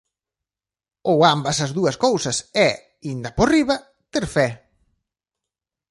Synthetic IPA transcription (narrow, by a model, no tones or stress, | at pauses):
owambɐsɐzðuɐskowsɐsɛ | ind̪ɐporiβɐ | t̪eɾfɛ